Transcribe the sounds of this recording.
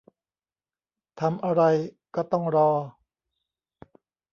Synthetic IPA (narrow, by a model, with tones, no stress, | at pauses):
t̪ʰa˧mʔa˧ɾa˧jkɔː˥˩t̪ɔ˥˩ŋɾɔː˧